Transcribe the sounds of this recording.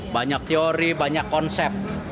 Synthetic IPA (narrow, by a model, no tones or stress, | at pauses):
baɲak̚t̪eoɾibaɲakːɔnsɛp̚t̪̚